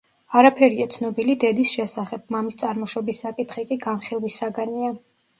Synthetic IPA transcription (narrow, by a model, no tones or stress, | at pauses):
aɾapʰɛɾiat̪sʰnɔbilid̪ɛd̪isʃɛsaχɛb̥̚mamist̪sʼaɾmɔʃɔbisːakʼit̪χikʼiɡanχilˠwisaɡania